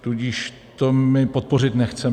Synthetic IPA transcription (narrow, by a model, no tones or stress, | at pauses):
t̪uɟiʃ | t̪omɪpot̪̚por̝ɪt̪nɛxt͡sɛ